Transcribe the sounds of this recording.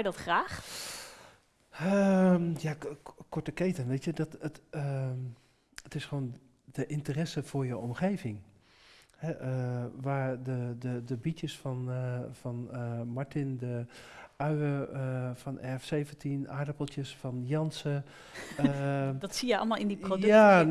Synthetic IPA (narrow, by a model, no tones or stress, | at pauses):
jdɔtχraːx | əmjakɔɹtəkeːtənʋetjədɔtətə | ətɪsxoːn | dəʔɪntərɛsəfʊɹjəɔmxeːvɪŋ | hɛʔəʋaːɹdədədəbitjəsfɔnfɔnmaɹtɪndəœɥəfɔnʔɛfseːvəntʰinʔa̰ːdəpəlˠtjəsfɔnjɔnsə | ədɔtsijəɔ̰lˠmalˠɪndipoda